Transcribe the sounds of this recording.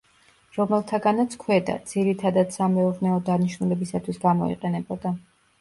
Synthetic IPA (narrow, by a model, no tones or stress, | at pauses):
ɾɔmɛlˠt̪ʰaɡanat̪sʰkʰwɛd̪a̰d̪z̥iɾit̪ʰad̪ad̪samɛuʁnɛɔd̪aniʃnulɛbisat̪ʰwisɡamɔ̰ḭqʼɛnɛbɔd̪a